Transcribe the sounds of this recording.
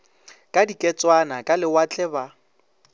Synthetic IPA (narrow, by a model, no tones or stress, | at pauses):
kʼadikʼɛt͡sʼwanakʼalɪwat͡ɬʼɛba